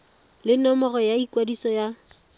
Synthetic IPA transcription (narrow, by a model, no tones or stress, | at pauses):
lɪnɔmɔɣɔjaikwadisɔja